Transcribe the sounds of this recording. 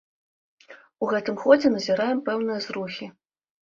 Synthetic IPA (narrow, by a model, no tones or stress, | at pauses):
uɣɛt̪ɨmxɔd͡zʲɛnɐzʲiɾajɛmpɛwnɨjɐzɾuxʲi